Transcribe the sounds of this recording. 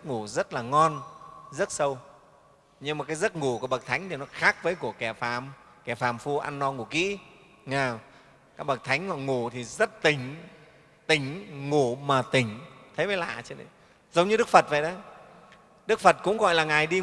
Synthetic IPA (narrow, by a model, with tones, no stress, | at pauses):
ə˦˥t̚ŋu˧˩zə˦˥t̚laː˨˩ŋɔ˧nzə˦˥t̚sə˧w | ɲɨ˧ŋma˨˩kaː˨˦jzə˦˥t̚ŋu˧˩ku˧˩ɓə˨˩k̚t̪ʰa˨˦jŋ̟t̪ʰi˨˩nɔ˨˦xaː˦˥k̚vəː˨˦jku˧˩əkɛ˧˩faː˧˩m | kɛ˧˩faː˨˩mfu˧ʔa̰˧nːɔ˧ŋu˧˩kḭ˧˥ | ŋaː˧˩w | kaː˦˥k̚ɓə˨˩k̚t̪ʰa˨˦jŋ̟hɔ̰˧˨ŋu˧˩t̪ʰi˨˩zə˦˥t̚t̪ï˨˩ŋ̟ | t̪ï˨˩ŋ̟ŋu˧˩maː˨˩t̪ï˨˩ŋ̟t̪ʰə˨˦jməː˨˦la̰ː˧˨t͡ɕə˧nə˨˦ | zə˨˦wŋ͡mɲɨ˧ɗɨ˦˥k̚fə˨˩t̚və̰˧˨jɗə˨˦j | ɗɨ˦˥k̚fə˨˩t̚kʊ̰˧˥ŋ͡mɣɔ̰˧˨jlaː˨˩ŋaː˨˩jɗi˧